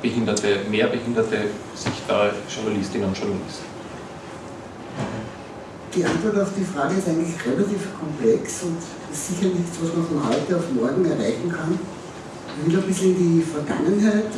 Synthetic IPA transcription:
b̥əɦɪndɐtəmeːɐbəhɪndɐtə | z̥ɪçd̥aʃuɐnalɪstɪnʊnʃʊɐlunɪ̰s | d̥iːãntvɔɐtɑʊfd̥iːfʁaːɡəɪst̪æɪŋtlɪçʁelatiːfkʰɔmplɛksʊnt | ɪstsiçɐnɪçt͡ssvasmanfɔnɦɔʏtəɑʊfmɔɐɡŋ̩ɛɐʁaɪçŋ̩kʰan | iːlɐbɪsl̩ɪndifɛɐɡa̰ŋənɦæɪt

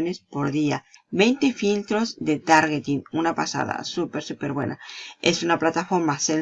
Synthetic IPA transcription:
nespo̞ɾðiabe̞jnt̪e̞filt̪ɾo̞zðet̪aɾɣet̪inunapasa̰ða̰supeɾsupeɾβwe̞̰nʔaesunaplat̪afo̞ɾmase

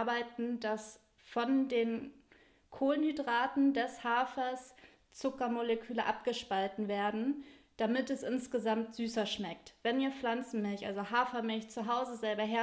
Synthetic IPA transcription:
baɪtn̩das | fɔndeːn | kʰoːlənhydʁaːtn̩dɛshaːfɐs | t͡sʊkɐmoləkʰyːləʔap̚ɡ̥əʃpaltn̩veːɐdn̩d̥amɪtɛsʔɪnsɡ̥əzamtz̥yːsɐʃmɛk̚tv̥ɛniːɐflant͡sn̩mɪlçʔalzohaːfɐmɪlçt͡suɦaʊzəzɛlbɐɦeː

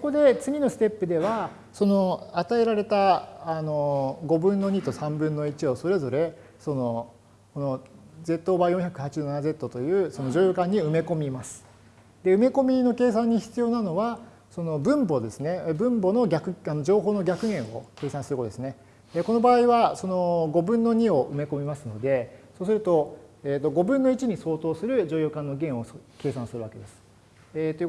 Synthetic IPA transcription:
soko̞d̪e̞t͡sɨɡʲino̞sɨ̥t̪e̞pːɯ̟d̪e̞βa | so̞no̞at̪ae̞ɾaɾe̞t̪aːno̞ɡo̞bɯ̟̃nːo̞ɲ̟it̪o̞sãmbɯ̟̃nːo̞it͡ɕio̞so̞ɾe̞zo̞ɾe̞ | so̞no̞ | kono̞d͡ze̞t̪ːo̞bajõçʲakɯ̟hat͡ɕiʑɨːnanaze̞t̪ːo̞t̪o̞jɯ̟ːsono̞d͡ʑoːjokãɲ̟ːiɯ̟me̞ko̞mʲimasɨ̥ | d̪e̞ɯ̟me̞ko̞mʲino̞ke̞ːs̬ãɲ̟ːiçi̥t͡sɨjo̞ːnano̞βa | so̞no̞bɯ̟̃mbo̞d̪e̞sɨne̞bɯ̟̃mbo̞noɡʲakɯ̟anod͡ʑo̞ːɦo̞ːno̞ɡʲakɯ̟ɡẽ̞ɰ̃o̞̰ke̞ːsãsɨɾɯkod̪esɨne̞ | eko̞no̞baːiβaso̞no̞ɡo̞bɯ̟̃nːo̞ɲ̟io̞ʔɯ̟me̞ko̞mʲimasɨno̞d̪e̞so̞ːsɨɾɯ̟t̪o̞eːt̪ːo̞ɡo̞bɯ̟̃nːo̞it͡ɕiɲ̟iso̞ːt̪o̞ːsɨɾɯ̟d͡ʑoːjoːkãnːo̞ɡẽ̞ɰ̃o̞ke̞ːsãɰ̃sɨɾɯ̟βake̞d̪e̞sɨ̥ | et̪oi

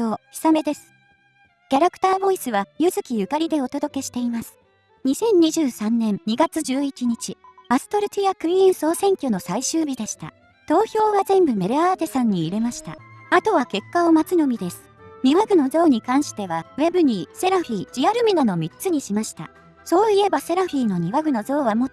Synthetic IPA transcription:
oːçʲi̥same̞d̪e̞sɨ̥ | kʲaɾakɯ̟̥t̪aːbo̞isɨβajɯ̟zɨkʲijɯ̟kaɾʲid̪e̞o̞t̪o̞d̪o̞ke̞ɕi̥t̪e̞imasɨ̥ | ɲ̟isẽ̞ɲ̟ːiʑɨːsãnːẽ̞nɲiɡat͡sɨd͡ʑɨːit͡ɕiɲ̟it͡ɕiasɨ̥t̪o̞ɾɯ̟t̪ʲijakɯ̟iĩɰ̃so̞ːsẽ̞ŋkʲo̞no̞saiɕɨːbʲid̪e̞ɕi̥t̪a̰ | t̪o̞ːçʲo̞ːβazẽ̞mbɯ̟me̞ɾeat̪e̞sãɲ̟ːiːɾe̞maɕi̥t̪a̰at̪o̞βake̞kːaomat͡sɨnomʲid̪e̞sɨ̥mʲiβaɡɯ̟no̞zo̞ːɲ̟ikãɰ̃ɕi̥t̪e̞βaβe̞bɯ̟ɲ̟ise̞ɾaɸʲiːd͡ʑijaɾɯ̟mʲinano̞mʲitt͡sɨɲ̟iɕimaɕi̥t̪a̰ | so̞ːie̞base̞ɾaɸʲiːno̞ɲ̟iβaɡɯ̟no̞zo̞ːβamo

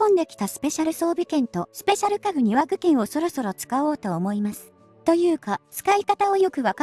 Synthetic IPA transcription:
õ̞nd̪e̞kʲi̥t̪asɨ̥pe̞ɕaɾɯ̟so̞ːbʲikẽ̞nt̪o̞sɨ̥pe̞ɕaɾɯ̟kaɡɯ̟ɲ̟iβaɡɯ̟kẽ̞ɰ̃o̞so̞ɾo̞so̞ɾo̞t͡sɨ̥kao̞ːt̪o̞ːmo̞imasɨ̥ | t̪o̞jɯ̟ːkat͡sɨ̥kaikat̪aojo̞kɯ̟βak

